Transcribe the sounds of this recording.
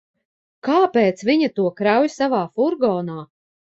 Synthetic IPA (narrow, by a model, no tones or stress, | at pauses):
kaːpɛːt̪sviɲat̪uɔkɾawjsavaːfuɾɡɔːnaː